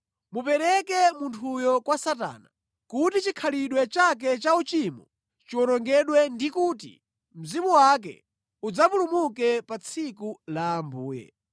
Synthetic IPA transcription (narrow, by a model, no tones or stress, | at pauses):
mupɛɾɛkɛmuntʰujɔkwasata̰ːna | kutit͡ʃikʰaliɗwɛt͡ʃak̬ɛt͡ʃaut͡ʃimɔ̰ | t͡ʃiwɔnɔŋɡɛɗwɛndikuːtḭ | m̩zimuwak̬ɛ̰ | ud͡zapulumuk̬ɛpat͡sʰikulaːmbuːjɛ̰